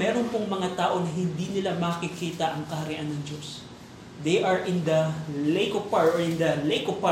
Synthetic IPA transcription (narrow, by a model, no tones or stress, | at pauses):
mɛːɾonpoŋmɐŋat̪aːʔo̞nɐɦɪnd̪inɪlamɐkɪkiːt̪ɐʔɐŋkɐhɐɾɪʔanːɐŋd͡ʒo̞s | d̪ejʔɐɹʔɪnd̪ɐlejkopaɹoɪnd̪ɐlejkopa